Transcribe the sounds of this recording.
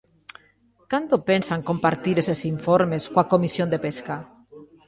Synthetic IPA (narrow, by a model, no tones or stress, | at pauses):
kand̪opensaŋkompaɾt̪iɾesesiɱfoɾmeskwakomisjond̪epeska